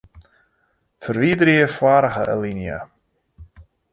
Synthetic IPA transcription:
fəɾviːd̪ɾiəfwaɾaxəʔə̰linjə̰

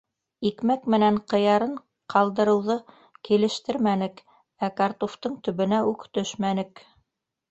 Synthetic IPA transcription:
ikmækmɘ̆næɴqɤ̆jɑɾɤɴ | qʰɑlˠd̪ɤ̆ɾɤ̆wðɤ | kilɘ̆ʃt̪ɘɾmænɘk | ækɑɾt̪oft̪ɤɴt̪ɵ̆βɘ̆næʉkt̪ɵʃmænɘk

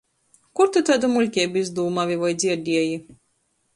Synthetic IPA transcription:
kuɾt̪ut̪ad̪umulʲkʲɛːbizd̪uːmavʲivajd̪zʲiɛɾd̪ʲiɛji

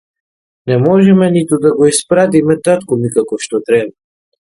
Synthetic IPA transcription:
nɛmɔʒɛmɛnit̪ud̪aɡɔispɾat̪̬imɛt̪at̪kumikakɔʃt̪ɔt̪ɾɛba

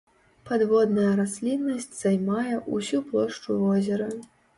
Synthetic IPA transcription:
pad̪vɔd̪nɐjɐɾasʲlʲinːɐsʲt͡sʲz̥ajmajɛʔusʲuplˠɔʂt͡ʂuvɔzʲɛɾɐ

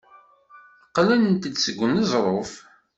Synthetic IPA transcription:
qlænənt̪əd̪səɡʷːənəzˤɾˤof

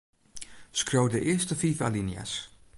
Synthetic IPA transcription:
skrowdəʔɪːstəfiːfalinja̰s

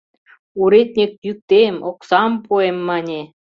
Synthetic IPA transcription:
uɾet̪̚ʲnʲek̚jyk̚t̪emoksɑmpuemːɑnʲe

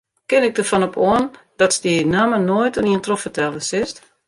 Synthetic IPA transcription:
kɪnɪk̚dərfɔnɔpʰoənd̥ɔtsdinamənojtəniəntrofətʰɛlˠəsɪst

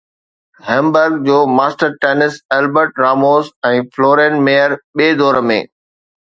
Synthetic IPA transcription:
ɦɛ̃mbəɾɡ̚d͡ʑoːmaːsʈəɾʈɛːnɪsɛlbəɾʈɾaːmoːzɛ̃ːfloːɾɛ̃nmeːjəɾɓeːd̪ɔːɾəmḛ̃ː

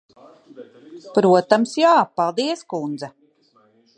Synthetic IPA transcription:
pɾuɔt̪amsjaːpalˠd̪iɛskund̪zɛ

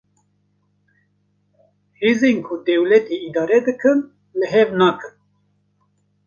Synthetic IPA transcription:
heːzenkʰʊd̪ɛwlɛt̪ʰeid̪ɑːɾɛd̪ɨkʰɨn | lɨɦɛvnaːkʰɨn

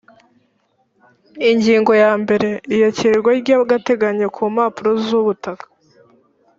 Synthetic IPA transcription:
iɲɟiːŋɡo̞jaːmbe̞ɾe̞ijoceɾɾɡwaɾɟaβɡate̞ɡaɲekʰuːmaːpuɾozuβutakḁ

